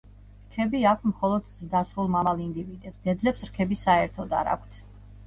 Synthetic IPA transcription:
ɾkʰɛbiakʷʰtmχɔlˠɔd̪zd̪asɾulˠmamalˠind̪ivid̪ɛpsd̪ɛd̪lɛpsɾkʰɛbisaɛɾt̪ʰɔd̪a̰ɾa̰kʷʰt̪ʰ

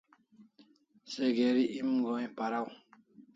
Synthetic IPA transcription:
sɛɡɛɾiʔimɡɔipaɾaw

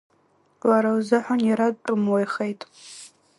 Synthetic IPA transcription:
waɾawzɨħʷanjaɾad̚ʈ͡ʂʼɨmwejχejtʼ

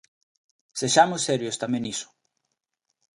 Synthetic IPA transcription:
seʃamʊsːeɾjost̪amẽnisʊ̥

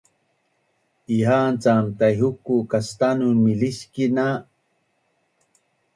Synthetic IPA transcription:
iɦaːnt͡samt̪ajɦukukast̪anunmiliskina

